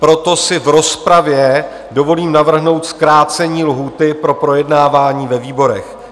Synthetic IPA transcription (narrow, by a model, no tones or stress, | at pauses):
pɾo̞t̪o̞sɪvɾo̞spɾavjɛ | do̞vo̞liːmnavr̩ɦno̞wt̪skɾaːt͡sɛɲiːlɦuːt̪ɪpɾo̞pɾo̞jɛdnaːvaːɲiːvɛviːbo̞ɾɛx